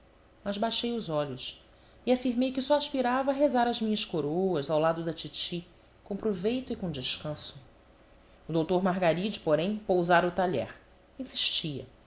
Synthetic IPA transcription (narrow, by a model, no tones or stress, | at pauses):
mɐzbajʃejʊzɔʎʊs | ɪafiɾmejkɪsɔaʃpiɾavɐːɦezaɾɐzmĩɲɐskoɾowɐzawlad̪ʊd̪ɐt͡ʃit͡ʃi | kõw̃pɾovejt̪ʊɪkõd͡ʒɪʃkɐ̃sʊ̥ | ʊd̪owt̪oɾmaɦɡaɾid͡ʒɪpoɾẽj̃powzaɾɐʊt̪aʎɛ̰ɾ | ĩsi̥ʃt͡ʃiɐ̰